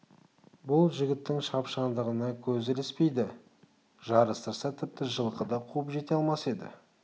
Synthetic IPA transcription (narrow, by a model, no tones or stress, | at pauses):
bʊlˠʒɪɡʲɪt̪ːɪŋʃɑpʃɑnd̪əʁənɑkʲʰɵzɪlɪspe̞jd̪ɪ | ʒɑɾəst̪əɾsɑt̪ʰɪp̚t̪ɪʒəlˠqəd̪ɑqʰuəpʒe̞t̪e̞ɑlˠmɑse̞d̪ɪ̰